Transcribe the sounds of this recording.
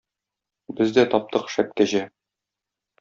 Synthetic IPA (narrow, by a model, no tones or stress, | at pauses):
bɘzd̪æt̪ɒp̚t̪ɤqʃæp̚kæʑæ